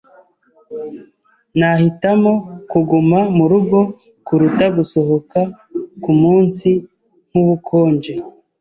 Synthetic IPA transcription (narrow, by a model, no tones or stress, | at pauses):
nahitamo̞kuɡumamuɾuɡo̞ | kuɾutaɡuso̞hoka | kumuːnsi | m̥uβukʰo̞ːnd͡ʒe